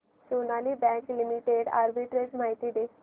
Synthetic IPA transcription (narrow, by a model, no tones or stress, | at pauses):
sonalibɛ̃klimiʈeɽa̰ɾbiʈɾed͡zmaɦit̪id̪e